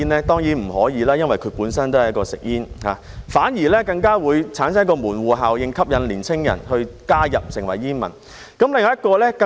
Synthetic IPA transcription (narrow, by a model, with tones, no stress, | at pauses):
nlɛː˥t̪ɔː˥ŋjiː˨˥m̩˨˩hɔː˨˥jiː˨˧laː˥jɐ˥nwɐ˨jkʰɵ˨˧puː˨˥nsɐ˥nt̪o˥whɐ˨jɐ˥kɔː˧sɪ˨k̚jiː˥nhaː˨˧ | faː˨˥nji˨˩lɛː˥kɐ˧ŋkaː˥wuː˨˧jt͡sʰaː˨˥nsɐ˥kɔː˧muː˨˩nwuː˨˩ɦaː˨wjɪ˨˧ŋkʰɐ˥p̚jɐ˨˧nliː˨˩nt͡sʰɪ˥ŋjɐ̰˨˩nhɵ˧ɥkaː˥jɐ˨p̚sɪ˨˩ŋwɐ˨˩jjiː˥nmɐ̰˨˩n | kɐ˨˥mlɪ˨ŋː˨jɐ˥t̚kɔː˧lɛː˥kɐ˧